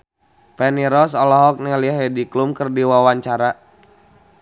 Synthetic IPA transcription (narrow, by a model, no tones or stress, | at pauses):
pɛniɾɔsɔlɔɦɔk̚nɛliaɦɛdiklumkərdiwawaɲt͡ʃaɾa